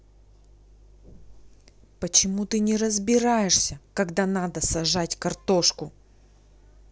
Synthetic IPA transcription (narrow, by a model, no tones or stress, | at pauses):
pət͡ɕɪmut̪ɨnʲɪɾəzbʲɪɾajɪʂsʲəkɐɡd̪anad̪əsɐʐatʲkɐrt̪oʂkʊ